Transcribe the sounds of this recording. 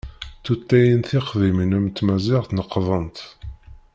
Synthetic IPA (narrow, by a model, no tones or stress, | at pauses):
θut̪ːæjənθɪχðimnəmt̪mæzɪʁθnəqːðˤənt̪